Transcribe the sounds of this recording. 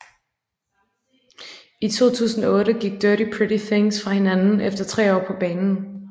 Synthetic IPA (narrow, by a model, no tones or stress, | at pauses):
it͡sʰo̝̰ːt͡sʰṵːsn̩ɐɔ̽ːɾəɡ̥iɡ̥̚d̥œɐɾipʰʁɪɾiθeŋsfʁɑ̈he̝nænn̩ʔefd̥ɐt͡sʰʁɛ̰ːɒ̰ːpʰɒ̽b̥ɛːnn̩